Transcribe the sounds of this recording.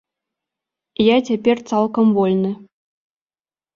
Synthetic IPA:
jat͡sʲapʲert̪sɑlˠkɐmvolʲnɨ

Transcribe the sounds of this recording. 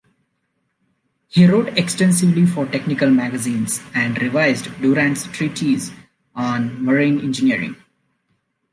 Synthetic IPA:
hiːɾoːʈeksʈɛ̃nsɪʋlifɔɾʈeknɪkəlmæɡəzĩːnzæ̃ɳɖɾɪʋaɪzɖɖuɾæ̃ɳʈsʈɾiːʈʰiz | ɔ̃ːnməɾĩːnɪ̰̃nd͡ʒɪniəɾɪ̰̃ŋ

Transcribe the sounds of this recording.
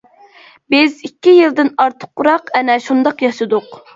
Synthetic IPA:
bɪzikʲːijild̪ɪnɑɾt̪ʰə̥qʰːʊɾɑqɛnɛʃund̪ɑqjɑsɨd̪ʊq

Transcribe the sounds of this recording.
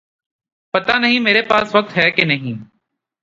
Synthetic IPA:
pɐt̪anəɦĩmeːɾepaːsʋɐk̚t̪ɦɛːkenɐɦĩː

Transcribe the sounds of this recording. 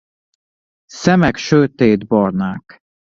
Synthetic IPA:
sɛmɛkʃøt̪eːd̪bɔrnaːk

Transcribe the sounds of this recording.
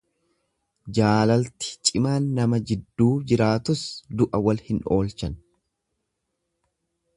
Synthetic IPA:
d͡ʒaːlɐlt̪ɪ̥t͡ʃʼɪmaːnːɐmɐd͡ʒɪd̪ːuːd͡ʒɪɾaːt̪ʊsd̪ʊʔɐwɐlhɪnʔo̞ːlt͡ʃɐn

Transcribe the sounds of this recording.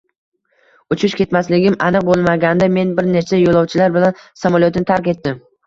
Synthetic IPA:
ʊt͡ʃʰʊʃkʲʰe̞t̪maslɪɡʲɪmʔanɨq̚bolˠmaɡʲand̪ame̞nbɪɾnet͡ʃajolˠɒwt͡ʃʰɪlaɾbɪlansamalˠiot̪ɪnɪt̪ʰaɾkʲe̞t̪ːɪm

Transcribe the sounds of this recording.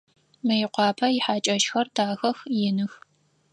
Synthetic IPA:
mɐjɪqʷɑːpʰɐjɪħaːt͡ʃʼɐʃxɐrdʰaːxɐxjɪnɨx

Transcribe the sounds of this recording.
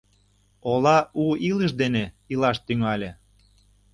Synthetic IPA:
olɑuiləʃ̬d̪ene | ilɑʃt̪yŋɑlʲĕ

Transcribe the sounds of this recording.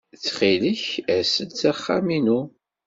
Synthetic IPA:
t͡sːχiləçæsəd̪t͡sæχːa̰minu

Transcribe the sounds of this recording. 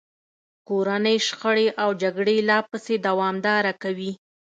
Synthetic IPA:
koɾanəjʃxəɽeʔawd͡ʒaɡɽelɑpəsed̪awɑmd̪ɑɾakawi

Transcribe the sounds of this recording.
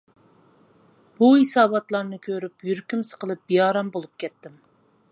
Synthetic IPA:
b̥uɦisɑːbɑt̪lˠɑɾnɨkʲʰøɾypjyɾkʲymsə̥qəlˠɨp̚b̥ijɑːɾɑmbolˠup̚kʲɛt̪ːɪm

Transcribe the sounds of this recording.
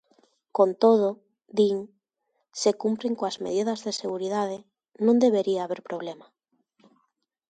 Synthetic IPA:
kont̪oð̞o | d̪iŋ | sekumpɾeŋkoazmḛðiðɐzðeseɣuɾiðað̞ɪ | nõnd̪eβeɾiaːβeɾpɾoβ̞lema

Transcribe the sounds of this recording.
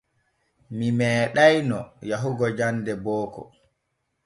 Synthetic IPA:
mimɛːɗajnɔ̰jaɦuɡɔd͡ʒandɛbɔːkɔ̰

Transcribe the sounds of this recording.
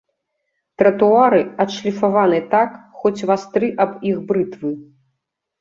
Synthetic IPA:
t̪ɾɐt̪uaɾɨɐt̪ʂlʲifavanɨt̪akxɔt͡sʲvast̪ɾɨʔɐbixbɾɨt̪vɨ

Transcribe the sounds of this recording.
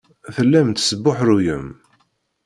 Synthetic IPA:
θəlːæmt̪səbːʊħɾujəm

